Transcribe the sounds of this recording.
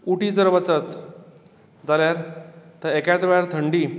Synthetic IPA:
uʈit͡səɾʋət͡sət̪ | d͡zaljaɾt̪əɾekat̪ʋeɭjaɾt̪ʰəɳɖi

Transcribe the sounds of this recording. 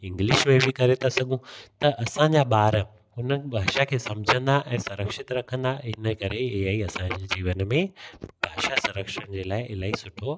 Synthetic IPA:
ɪ̃ŋɡlɪʃmẽbʱikɐɾet̪ʰasɐɠʱũt̪ɐʔɐsãɲd͡ʑaɓaːɾ | ʊnəbʱaːʃakʰeːsɐ̃md͡ʑʱə̃nd̪aʔɛ̃ːsʊɾəkʃɪt̪ɾɐkʰə̃nd̪aɦɪnəkɐɾeɪɦaːiɐsãɲd͡ʑed͡ʑiːʋənmẽb̥ʱaːʃasʊɾəkʃəɽ̃ɪd͡ʑeːlaːɪʔɪlaːɦisʊʈʰo

